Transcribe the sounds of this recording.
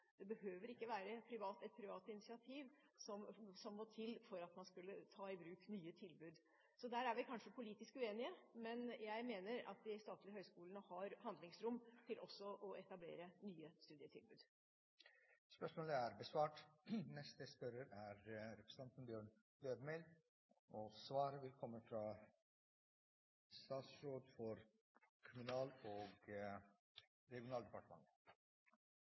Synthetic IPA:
d̪̥ɛbəhøːʋəɾɪkːəʋæːɾəpʰɾɪʋɑːt̪ɛt̪̚pʰɾɪʋɑːt̪ɪnɪsɪɑt̪ʰiːʋ | sɔmsɔmːɔt̪ʰɪlːfɔɾɑt̪mɑnskʉlːət̪ʰɑːɪbɾʉːknyːət̪ʰɪlbʉːd̪ | sɔd̪æːɾæɾʋɪkʰɑnʂəpʰʊliːt̪ɪskʉeːnɪəmɛnjæɪmeːnəɾɑ̰t̪̚d̪ɪst̪ɑːt̪lɪəhœʏskuːlənəhɑɾhɑnd̪lɪŋsɾʊmːt̪ʰɪlʔɔsːɔʔɔɛt̪ɑblḛːɾənyːəst̪ʉːd̪ɪət̪ʰɪ̰lbʉ̰ːd̪ | spœʂmoːləæɾbəsʋɑːʈnɛst̪əspœɾəɾæɾɾɛpʰɾə̥s̩t̪ʰɑnt̪n̩bjøːɳ | løːʋmɛl | ʔɔsʋɑːɾəʋɪlkʰɔmːəfɾɑ | st̪ɑːt̪sɾoːd̪fɔɾ | kʰʊmʉnɑːloːɡ | ɾɛɡɪʊnɑːld̪ɛpɑʈəmɑ̰ŋə

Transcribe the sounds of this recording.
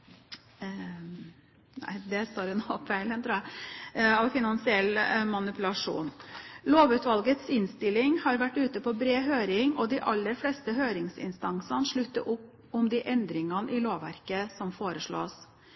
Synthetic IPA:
næ̰ɪd̪ɛst̪oːɾənoɑfæɪlənt̪ʰɾuːæ | ɑʋfɪnɑnsɪɛlːmɑnɪpʉlɑʂṵːnloːʋʉːt̪ʋɑlɡət̪sɪnst̪ɪlːɪŋhɑɾʋæʈːʉːt̪əpɔbɾeːɦøːɾɪŋɔd̪ɪʔɑlːəɾflɛst̪əɦøːɾɪŋsɪ̰nst̪ɑnsɑnʂɭʉt̪ːə̰ʔʊpː | ɔmd̪ɪʔɛnd̪ɾɪŋɑnʔɪloːʋʋæ̰ɾkəsɔmfoːɾəʂɭo̰ːs

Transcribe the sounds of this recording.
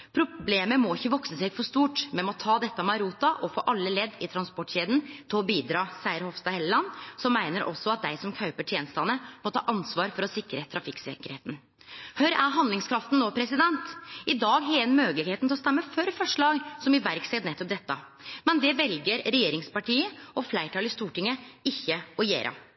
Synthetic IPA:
pʰɾʊbleːməmɔɪçːəʋɔksəsɛːɡfɔʂt̪uːʈmɛnmɔt̪ʰɑːd̪ɛt̪ːɑmɑɾuːt̪ɑʔɔfo̰ːʔɑlːəlɛd̪ːɪt̪ʰɾɑnspɔʈɕeːd̪n̩t̪ʰɪlɔbiːd̪ɾɑːsæɪəɾhɔʋst̪ɑhɛllɑnsɔmːæɪnəɾʔɔ̰sːɔɑt̪̚d̪æɪsɔmkʰɑʉpəʈʰjeːnəst̪ɑnəmɔt̪ʰɑ̰ːʔɑnsʋɑːɾfɔɾɔsɪkɾət̪ʰɾɑfɪksɛ̰kəɾheːt̪n̩ | hœɾæɾɦɑnd̪lɪŋskʰɾɑft̪n̩noːpʰɾɛsɪd̪ɛnt̪ɪd̪ɑːɡɦeːlnmøːɡlɪɡheːt̪nt̪ɪɔst̪ɛmːəfœɾfɔʂɭɑːɡsɔmɪʋæɾkseːt̪nɛt̪ːɔp̚d̪ɛt̪ːɑ | mɛnd̪ɛʋɛlɡəɾɾɛjeːɾɪŋspɑʈiːəɔflæɪʈʰɑːlɪst̪uːʈɪŋːəɪçːəɔjḛːɾʔɑ̰

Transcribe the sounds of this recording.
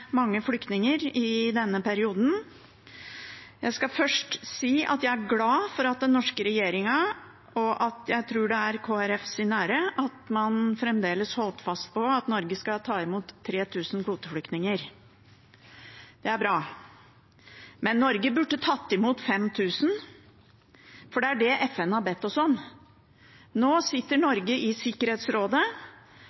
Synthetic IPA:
mɑŋːəflʏkt̪nɪŋəɾɪd̪ɛnːəpʰæɾɪuːd̪n̩ | jæɪskɑfœʂʈsiːɑ̰t̪jæɪæɾɡlɑːfɔɾɑt̪̚d̪ɛnːɔʂkəɾɛjeːɾɪŋɑ | ʔɔʔɑt̪jæɪt̪ʰɾuːɖɛæɾkʰoːɛɾɛfsɪnæːɾəʔɑt̪mɑnfɾɛmd̪eːləshɔlt̪fɑst̪̚pɔɑt̪nɔɾɡəskɑt̪ʰɑːɪmuːt̪ʰːɾeːt̪ʰʉːsn̩kʰʋuːt̪əflʏkt̪nɪŋəɾ | d̪̥ɛæɾbɾɑː | mɛnːɔɾɡəbʉɖːət̪ʰɑt̪ːɪmuːt̪fɛmt̪ʰʉːsn̩ | fɔɖɛæɖɛʔɛfɛnːəhɑɾbɛt̪ːɔsɔn | noːsɪt̪ːəɳɔɾɡəʔɪsɪkːəɾheːt̪sɾoːd̪ə

